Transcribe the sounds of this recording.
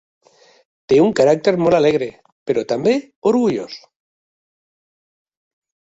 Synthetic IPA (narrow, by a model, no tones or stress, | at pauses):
t̪euŋkaɾak̚t̪eɾmolaleɣɾe | peɾot̪ambe | oɾɣuʎo̰s